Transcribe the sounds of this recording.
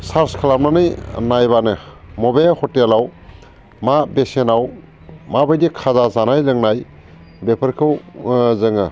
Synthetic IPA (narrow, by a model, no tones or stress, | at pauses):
saɾskʰalamnanɯjnajbanɯmɔbehɔtelaw | mabesenaw | mabajdikʰazazanajlɯŋnaj | bepʰəɾkʰɯwzɯŋɯ